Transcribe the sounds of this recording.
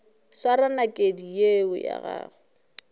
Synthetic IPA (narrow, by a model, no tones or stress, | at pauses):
saɾanakʼedijeʊja̰ɣaːɣʊ